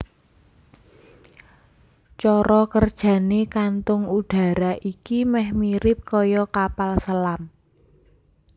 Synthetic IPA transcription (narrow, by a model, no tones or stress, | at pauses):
t͡ʃɔɾɔkərd̥ʒ̥ä̤nekant̪ʊŋud̪̥ä̤ɾaʔikimɛhmiɾɪp̚kɔjɔkapalsəlam